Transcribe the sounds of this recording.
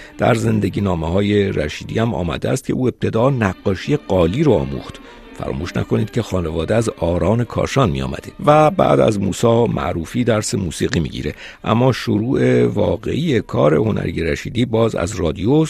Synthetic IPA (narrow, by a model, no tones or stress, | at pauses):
d̪̥æ̰ɾze̞nd̪e̞ɟiːnɒːmehɒːje̞ɾæʃiːd̪ḭːhæmɒ̰ːmæ̰d̪eæst̪̚cʰe̞ʔuːe̞b̚t̪ʰe̞d̪ɒːnæɡːɒːʃije̞ɢɒːliːɾoɒːmṵːxt̪ | fæ̰ɾʔɒ̰ːmuːʃnæ̰kʰo̞niːd̪̥̚cʰe̞xɒːne̞vɒːd̪eæzɒːɾɒːne̞kʰɒ̰ːʃɒːnmijɒ̰ːmæ̰d̪̥evæbæ̰ːd̪æ̰zmṵːsɒːmʔæ̰ʔɾuːfiːd̪æɾse̞muːsiːɣiːmḭːɟḭːɾe̞ | ʔæmːɒːʃoɾuːʔe̞vɒːɣe̞̰ʔiːje̞kʰɒːɾe̞ho̞nʔæ̰ɾije̞ɾæʃḭːd̪iːbɒːzæ̰zrɒːd̪io